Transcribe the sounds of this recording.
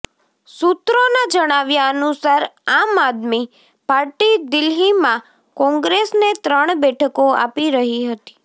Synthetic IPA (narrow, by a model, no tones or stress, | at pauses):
sut̪ɾonad͡ʒəɽ̃aʋjaənusaɾamad̪mi | paɾʈid̪ɪlɦimã | kɔ̃ŋɡɾesnet̪ɾəɳ̃bɛʈʰəkoa̰piɾəɦiɦət̪i̥